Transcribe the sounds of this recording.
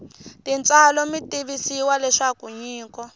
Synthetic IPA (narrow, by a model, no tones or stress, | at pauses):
tint͡salɔmitiβisiwalɛʂakuɲiːkɔ